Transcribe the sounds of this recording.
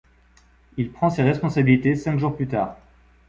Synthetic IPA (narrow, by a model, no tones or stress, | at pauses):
ilpχɑ̃seʁɛspɔ̃sabilit̪esɛ̃kʒuʁplyt̪aːʁ